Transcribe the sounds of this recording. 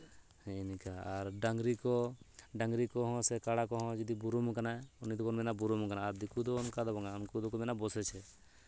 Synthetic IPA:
hɛnikaaɾɖaŋɡɾikɔɖaŋɡɾikɔɦɔ̃sɛkaɽakɔɦɔ̃d͡ʒɔd̪ibuɾumɔkanaunid̪ɔkɔnmɛnabuɾumɔkanaːɾd̪ikud̪ɔːnkad̪ɔbaŋaɔnkud̪ɔkɔmɛnabɔsɛt͡ʃʰɛ

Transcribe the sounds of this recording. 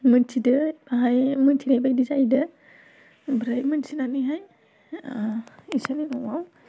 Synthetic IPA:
mɯntʰidɯbaɦajmɯntʰinajbajdizajdɯ | bɾajmɯnsʰinanɯjɦaj | isaninɔwaw

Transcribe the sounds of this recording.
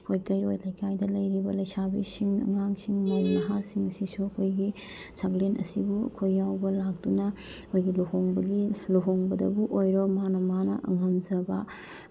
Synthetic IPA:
hojkɐjɾojlɐjkʰajdɐlɐjɾibɐlɐjsabisiŋɐ̰ŋaŋsiŋmajnɐɦasiŋɐsisuɐkʰojɡi | saɡlenɐ̰sibuɐ̰kʰojːawbɐlak̚dunɐ | kʰojɡilohoŋbɐɡiloɦoŋbɐdɐ̰buʔojɾomanɐmanɐ̰ʔɐ̰ŋɐmd͡ʒɐbɐ

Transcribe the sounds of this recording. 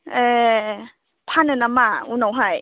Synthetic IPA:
e | pʰanɯnamaunawɦaj

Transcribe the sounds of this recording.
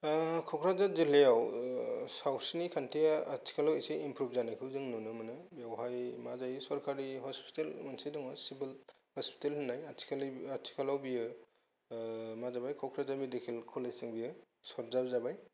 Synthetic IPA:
kʰɔkʰɾazazilejaw | sawsinikʰantʰeaat͡ʃʰi̥kʰalaweseimpʰɾup̚ʰzanajkʰɯwzɯŋnunɯmɯnɯbijawɦajmazajsɔɾkʰaɾiɦɔspi̥telmansajdɔŋɔsibil | hɔspʰi̥telhɯnːajat͡ʃʰi̥kʰalat͡ʃʰi̥kʰalawbijɯ | mazabajkʰɔkʰɾazamidekʰilkʰulajsɯŋbijɯ | sɔɾzap̚zabaj

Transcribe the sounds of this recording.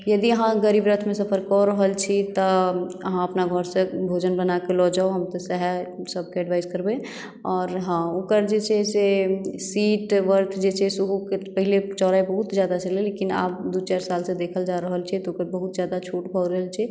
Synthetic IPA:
jəd̪iəɦãɡəɾiːbɾət̪ʰmẽsəpʰəɾkːɔɾəɦəlt͡ʃʰit̪ɔəɦãəpnaɡʱəɾsebʱod͡ʒənbənakelɔd͡ʒaoɦəmt̪ɔsəɦɛsəb̚keəɖʋaɪzkəɾbẽ | ɔːɾɦãokəɾd͡ʒet͡ʃʰesesiːʈʋəɾt̪ʰd͡ʒet͡ʃʰesuɦukepəɦilet͡ʃɔɾaibəɦut̪d͡ʒjad̪at͡ʃʰəlelekina̰ːp̚d̪ut͡ʃaɾsalsẽd̪eːkʰəld͡ʒaɾəɦəlt͡ʃʰit̪ɔokəɾbəɦut̪d͡ʒjad̪at͡ʃʰoʈbʱɔɾəɦəlt͡ʃʰi

